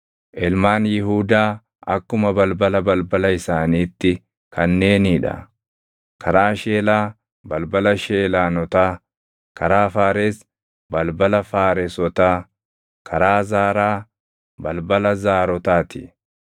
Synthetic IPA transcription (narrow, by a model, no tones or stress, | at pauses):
ʔɪlmaːnjɪɦuːd̪aː | ɐ̰kːʊmɐbɐlbɐlɐbɐlbɐlɐɪsaːniːt̪ːɪ | kʰɐnːe̞ːniːᶑɐ̰ | kʰɐɾaːʃeːlaː | bɐlbɐlɐʃeːlaːnɔt̪aː | kɐɾaːfaːɾeːs | bɐlbɐlɐfaːɾɛsɔt̪aː | kʰɐɾaːzaːɾaː | bɐlbɐlɐzaːɾɔt̪aːt̪ɪ̥